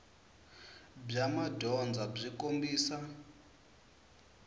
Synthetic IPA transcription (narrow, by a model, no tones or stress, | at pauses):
b͡ʐamadʱɔnd͡zab͡ʐʷikombiːsa